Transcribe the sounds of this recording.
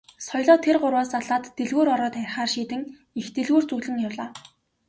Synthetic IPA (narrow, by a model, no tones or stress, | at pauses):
sɔjɮɔːt̪ʰerɢʊrwaːsaɮaːt̪ːeɮɣuːɾɔɾɔːt̪æ̆ːχaːrʃiːt̪ɘ̆ŋ | ixt̪eɮɣuːrt͡suɣɮɘ̆ŋjawɮaː